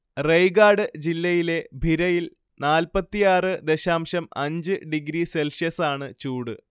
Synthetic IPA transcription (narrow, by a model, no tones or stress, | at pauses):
rejɡaːɽɨd͡ʑilːɐjile̞bʱiɾɐjil | naːlpɐt̪ːijaːrɨd̪eɕaːmɕɐmɐɲd͡ʑɨɖiɡɾise̞lʂjɐsaːɳɨt͡ɕuːɽɨ